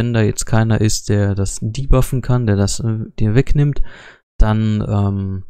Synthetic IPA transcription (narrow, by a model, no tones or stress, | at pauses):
vɛndaːjɛt͡stkʰaɪnɐ̰ʔɪstd̥eːɐdasdiːbafn̩kʰandeːɐdasd̥iːɐvɛknɪmt | d̥anʔɛːm